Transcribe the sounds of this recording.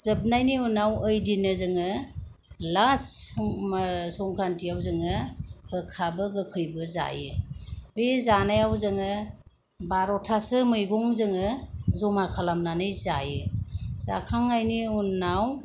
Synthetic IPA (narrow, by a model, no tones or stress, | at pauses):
z̥ɯb̚najniunːawəjdinɯzɯŋɯ | lasmsɔŋkʰɾantiawzɯŋɯɡɯkʰabɯɡɯkʰɯjbɯza̰jɯbezanajawzɯŋɯ | baɾɔtʰasɯmɯjɡɔŋzɯŋɯzɔmakʰalamnanɯjzajɯsa̰kʰaŋajniunːaw